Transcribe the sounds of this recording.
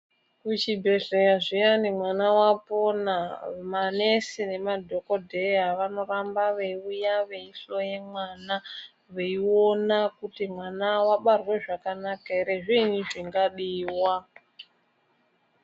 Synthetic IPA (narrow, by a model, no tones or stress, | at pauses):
kut͡ʃibʱe̞ɮejaʐijanimwanawaponamane̞sine̞madʱo̞ko̞dʱeaʋano̞rambaʋeiujaʋe̞iɬo̞je̞mwana | ʋeio̞nakutimwanawaɓarweʐakanakaɾeʐiniʐiŋɡaɗiːwa